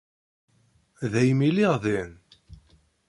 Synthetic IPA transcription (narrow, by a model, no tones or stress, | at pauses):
ðæjmiliʁðin